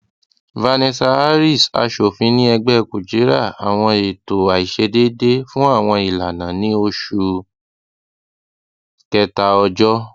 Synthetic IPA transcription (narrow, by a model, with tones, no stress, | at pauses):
va˧nɛ˧sa˧a˦ɾi˦˨sa̰˧ʃo˨fĩ˧nĩ˦ɛ˧ɡ͡bɛ˦˨ku˨d͡ʒe˨˦ɾa˦˨a˨w̃ɔ̃˧e˨to˨a˨i˨ʃe˧de˦de˦fũ˦a˦˨w̃ɔ̃˧i˨la˨nã˨nĩ˦o˧ʃu˧ | kɛ˧ta˧ɔ˧d͡ʒɔ˦